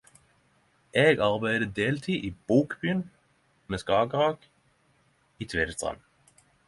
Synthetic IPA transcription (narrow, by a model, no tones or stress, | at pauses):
ʔeːɡɑʁbæɪd̪əd̪eːlt̪ʰiːʔiːb̥uːkbyːn | meːskɑːɡʁɑːɡ̥ | iːt̪ʰʋeːd̪əst̪ʁɑ̰n